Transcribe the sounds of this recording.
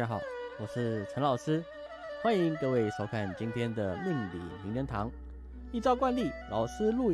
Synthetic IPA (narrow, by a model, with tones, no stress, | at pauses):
xɑ˨˩˦ʊwɔ˨˩ʂɻ̩˥˩ʈ͡ʂʰə˧˥nlɑ˨˩ʊsɹ̩˥ | xwa˦˥ni˧˥ŋkɤ˥˧we˥˩ɪʂo˧˥ʊkʰa˥˩nt͡ɕi˥nt̪ʰjɛ˥nd̪ə˨mi˥˩ŋlḭ˨˩mi˧˥ŋnə˧˥nt̪ʰɑ˧˥ŋ | i˥˧t͡sɑ˥˧ʊk̬wa˥˧nli˥˩lʔɑ̰˨˩ʊsɹ̩˥lu˥˧